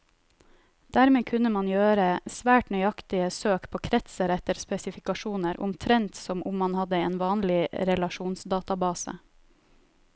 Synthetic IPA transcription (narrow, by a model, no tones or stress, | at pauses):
d̪̥æːɾmeːkʰʉnəmɑnjøːɾəsʋæːʈnœʏɑkt̪ɪəsøːkpʰoːkʰɾɛt̪səɾɛt̪əɾspɛsɪfɪkɑʃuːnəɾʊ̰mt̪ʰɾɛnt̪sɔmʔʊmːɑnhɑd̪əḛːnʋɑːnlɪɾɛlɑʃuːnsd̪ɑːt̪ɑbɑːsə̰